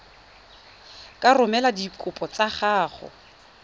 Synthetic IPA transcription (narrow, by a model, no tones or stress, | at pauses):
kʼarʊmɛladikʼʊpʼɔt͡sʼaχaːχɔ̰